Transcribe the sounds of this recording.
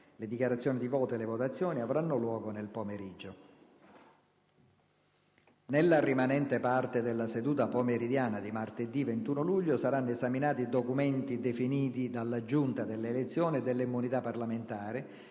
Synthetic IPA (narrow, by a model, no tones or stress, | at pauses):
led̪ikjaɾat̪sːjoːnid̪ivɔːt̪oelevot̪at̪sːjɔːniavɾanːolwɔːɡonelpomeɾid͡ʒːo | nelːarimanɛnt̪epart̪ed̪elːased̪uːt̪apomeɾid̪jaːnad̪imart̪ed̪ːivent̪uːnoluʎːosaɾanːoezaminaːt̪id̪okument̪id̪efiniːt̪id̪alːad͡ʒunt̪ad̪elːelet̪sːjɔːnied̪ːelːimːunit̪apːarlament̪aːɾɪ